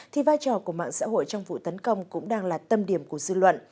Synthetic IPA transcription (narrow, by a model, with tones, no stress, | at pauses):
t̪ʰi˨˩vaː˧jt͡ɕɔ˨˩ku˧˩əma̰ː˧˨ŋsa̰ː˧˥ɦo̰˧˨jt͡ɕɔ˧wŋ͡mvṵ˧˨t̪ə˨˦nkə˧wŋ͡mkʊ̰˧˥ŋ͡mɗaː˧ŋlaː˨˩t̪ə˧mɗi˧˩əmku˧˩əzɨ˧lwə̰˧˨nʔ